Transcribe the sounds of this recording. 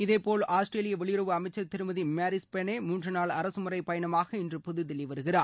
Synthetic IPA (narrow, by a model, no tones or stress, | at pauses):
ɪðeːpoːlaːsʈreːlɪjɐʋɛɭɪjʊɾɐʋɯɐmɐɪt͡ʃːɐɾt̪ɪɾɯmɐðimaːɾɪspɛneːmuːndrɐnaːɭɐɾɐsɯmʊrɐɪpɐjɐɳɐmaːɣɐɪndrɯpɔðɯðɪlːɪʋɐɾɯɣɪraːɾ